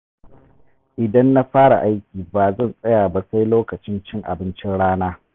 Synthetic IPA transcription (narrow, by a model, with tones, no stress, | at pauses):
ʔɪ˨dɐ˦nːa˦ɸaː˦ɽa̰˨ʔa˦jkʲiː˨baː˨zɐ˦˨nsʼɐ˦jaː˨ba˦sa˦jloː˦kɐ˨t͡ʃɪ˦nt͡ʃɪ˦ŋʔa̰˨bɪ˦nt͡ʃɪ˦nɽaː˦naː˦